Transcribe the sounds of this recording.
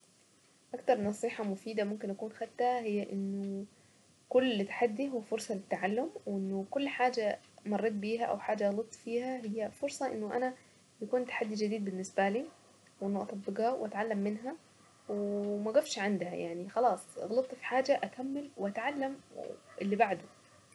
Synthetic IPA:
ʔakt̪ɑɾˤnɑsˤiːħɑmʊfiːd̪amʊmkɪnʔakuːnxat̪ːahɪjːaʔɪnːʊ | kʊlːt̪ḁħad̪ːiɦʊwːfʊɾˤsˤɑlɪt̪ːaʕalːʊmwʔɪnːʊkʊlːħaːd͡ʒa | mɑrˤːeːt̪̬̚biːɦaʔa̰wħaːd͡ʒːaɣlɑt̪ˤːfiːhaɦɪjːafʊɾsˤɑʔɪ̰nːʊʔana | jakuːnt̪ːḁħad̪ːid͡ʒɪd̪iːd̪̚bɪnːɪsbaliː | wʔɪnːʊʔɑt̪ˤɑbːɪɡhɑwʔat̪ʕalːamːɪnɦa | wmaɡafʃʕɪnd̪ha̰ja̰ʕnixɑlɑːsˤɣɑlɑt̪ˤːfi̥ħaːd͡ʒaʔakamːalwɪʔat̪ʕalːamʔɪlːibaʕd̪ʊ

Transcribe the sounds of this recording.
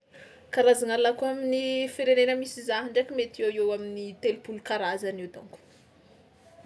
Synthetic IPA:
kaɾazanalakuaminifeɾenenəmisizaɦiɳɖ͡ʐakimet̪iewewaminit̪elupulukaɾazaniwd̪a̰ŋku̥

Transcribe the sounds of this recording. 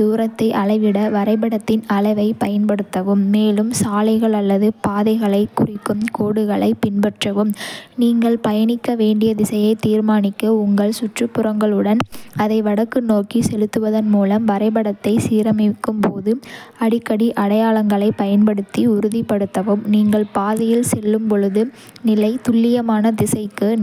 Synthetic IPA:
d̪uːɾɐt̪ːɐɪʔɐɭɐɪʋɪɽɐʋɐɾɐɪbɐɽɐt̪ːɪnɐlɐɪʋɐɪpɐjɐnpɐɽɯt̪ːɐʋɯmːeːlɯmsaːlɐɪɣɐɭɐlːɐðɯpaːðɐɪɣɐɭɐɪkːʊrɪkːɯmkoːɽɯɣɐɭɐɪpɪnbɐʈrɐʋɯmniːŋɡɐɭpɐjɐnɪkːɐʋeːɳɖɪjɐðɪsɐjɐɪt̪iːɾmaːnɪkːɐʊŋɡɐɭsʊʈrɯpːʊrɐŋɡɐɭɯɽɐnɐðɐɪʋɐɽɐkːɯnoːkisɛlɯt̪ːɯʋɐðɐnmuːlɐmʋɐɾɐɪbɐɽɐt̪ːɐɪsiːɾɐmɪkːɯmpoːðɯɐɽɪkːɐɽiʔɐɽɐjaːɭɐŋɡɐɭɐɪpɐjɐnpɐɽɯt̪ːiʊɾʊðipːɐɽɯt̪ːɐʋɯmniːŋɡɐɭpaːðɐjɪlsɛlːɯmpɔɻɯðɯ | nɪlɐɪt̪ʊɭːɪjɐmaːnɐd̪ɪsɐɪkːɯ

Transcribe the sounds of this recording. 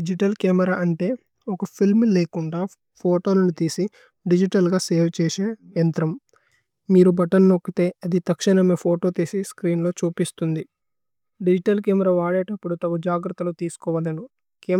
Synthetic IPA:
id͡ʒiʈɐlkɛːmɛɾaːʔɐɳʈe̞ː | ɔkɐpʰilmleːkuɳɖaː | pʰoːʈo̞ːnɐnut̪iːsi | ɖid͡ʒiʈɐlɡaːseːʋt͡ʃeːʃeːjɐnt̪ɾɐm | miːɾubɐʈɐnnokːit̪e̞ːɐd̪it̪ɐkʂɐnɐme̞ːpʰoːʈo̞ːt̪iːsiskɾiːnlo̞ːt͡ʃuːpist̪und̪i | ɖid͡ʒiʈɐlkeːmɛɾaːʋaːɽeːʈɐpːuɽut̪ɐʋɐd͡ʒaːɡɾɐt̪ːɐloːt̪iːsu̥kɔːʋɐlɐnu | keː

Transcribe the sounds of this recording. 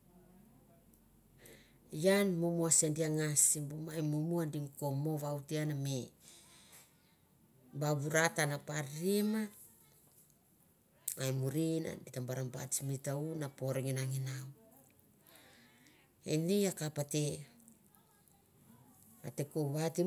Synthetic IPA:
janmomuasendiaŋasimbumajmumuandimko̞mo̞βawtianame | baβuɾatanapaɾima | ajmuɾina̰ditambaɾamba̰tsmitaunapo̞ɾeŋinaŋinaw | ḛniakapate | ate̞koβati

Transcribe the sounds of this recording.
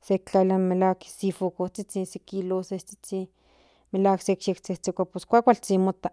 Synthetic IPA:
sek̚t͡ɬalamelaksifukot͡sit͡sisekiloset͡si̥t͡si | melaːksekʃekt͡seht͡sekʷaposkʷakʷalt͡simot̪a

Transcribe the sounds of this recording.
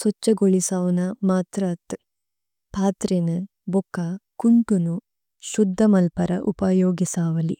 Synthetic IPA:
sɔt͡ʃːɐɡoɭisaːʋɐnɐmaːt̪ɾaːt̪ | pʰaːt̪ɾenɐ | bɔkːakuɳʈunu | ʃud̪ʱːɐmɐlpɐɾɐ̰ʔupajoːɡisaːʋɐli

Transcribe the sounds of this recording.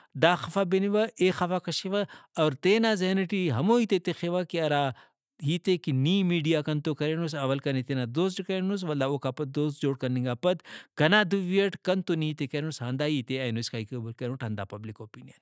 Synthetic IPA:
d̪aːxɐfaːbeniʋɐeːxɐfaːkɐʃiʋɐɐːɾt̪eːnaːzɐɦnɐʈiɦɐmoːiːt̪et̪exeʋakiɐɾaː | ɦiːt̪ekiniːmiːɖijaːkɐnt̪okɐɾenusɐʋɐlkɐnit̪enaːd̪oːs̬ʈkɐɾenus̬ʋɐlːaːoːkaːpɐt̪̚d̪oːsd͡ʒoːɽkɐɾniŋɡaːpɐt̪kɐnaːd̪uʋiɐʈkɐnt̪oniit̪ekɐɾnusɦɐnd̪aːɦiːt̪eaːjnoskaikebulkɐɾnuʈʰɐnd̪a̰ːpɐblikoːpiːnijɐn

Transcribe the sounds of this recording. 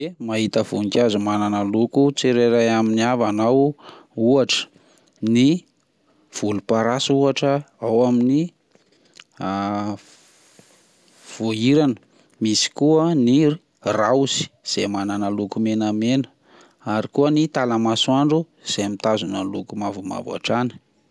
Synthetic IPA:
emaɦit̪əv̥uŋikʲazumananəlukut͡seɾeɾajaminiavanawuaʈ͡ʂə̥ | ni | v̥ulupaɾasuaʈ͡ʂə | awamini | v̥oiɾanə̥ | misi̥kuəni | razi̥z̥emananəlukumenəmenə̥ | aɾikuənit̪aləmasuaɳɖ͡ʐu | z̥emit̪azunəlukumavuma̰v̰a̰ʈ͡ʂanə̥

